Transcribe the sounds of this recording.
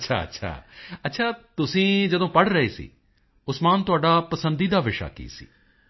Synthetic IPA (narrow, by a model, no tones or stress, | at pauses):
ʃʰa̰ːɐ̰tːʃʰa̰ːɐtːʃʰaːt̪ʊsĩːd͡ʒəd̪õːpəɽɾəɦeːsḭː | ʊsmaːnt̪ʊaːɖaːpəsə̃nd̪iːd̪aːʋɪʃa̰ːkḭːsḭː